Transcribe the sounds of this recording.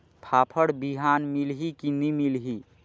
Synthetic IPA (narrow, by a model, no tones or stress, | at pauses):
pʰapʰəɽbiɦanmilɦikinimilɦi